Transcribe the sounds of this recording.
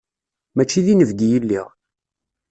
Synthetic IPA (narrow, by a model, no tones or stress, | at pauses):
mæt͡ʃːiðinəvɡijəlːḭʁ